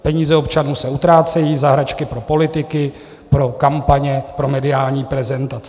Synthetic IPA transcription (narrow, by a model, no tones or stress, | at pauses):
pɛɲiːzɛo̞pt͡ʃanuːsɛut̪ɾaːt͡sɛjiːzaɦɾat͡ʃkɪpɾo̞po̞lɪt̪ɪkɪ | pɾo̞kampaɲɛpɾo̞mɛdɪaːlɲiːpɾɛzɛnt̪at͡sɛ